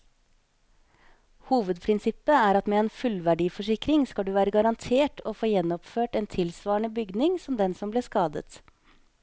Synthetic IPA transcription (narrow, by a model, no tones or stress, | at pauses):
huːʋəd̪pʰɾɪnsɪpːəæːɾɑt̪mɛeːnfʉlʋæɖiːfɔʂɪkɾɪŋskɑld̪ʉːʋæːɾəɡɑɾɑnt̪ʰeːʈʰoːfoːjɛnːɔpføːʈeːnt̪ʰɪlsʋɑːɳəbʏɡnɪŋsɔmd̪ɛnsɔmbleːʂkɑːd̪ə̰t̪